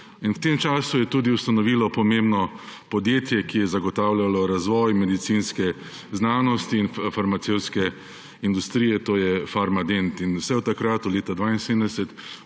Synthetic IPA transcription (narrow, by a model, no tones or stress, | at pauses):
inwt̪emt͡ʃaːsujɛt̪uːd̪iwst̪anɔʋilɔpɔmembnɔpɔd̪jeːt̪jɛkijɛzaɡɔt̪aːwlalɔɾazʋɔjmɛd̪it̪sinskɛ | znanɔst̪iːnfaɾmat̪sewt̪skɛ | ind̪ust̪ɾiːjɛt̪oːjɛfaɾmad̪ent̪inwsɛwt̪akɾat̪ɔleːt̪ad̪ʋaːinsemd̪ɛsɛt̪